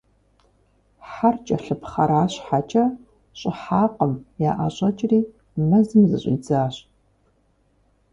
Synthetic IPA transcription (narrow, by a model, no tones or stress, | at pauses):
ħħart͡ʃʼɐɬɨpχɐɾaːɕħat͡ʃʼɐ | ɕʼɪħaːqəmjaːʔa̰ɕʼɐt͡ʃʼriː | mɐzɨmzɨ̰ɕʼḭːd͡zaːɕ